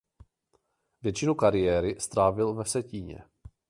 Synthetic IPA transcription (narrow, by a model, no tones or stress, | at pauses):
vjɛt͡ʃɪnukaɾɪjɛːɾɪst̪ɾaːvɪlvɛsɛciːɲɛ̰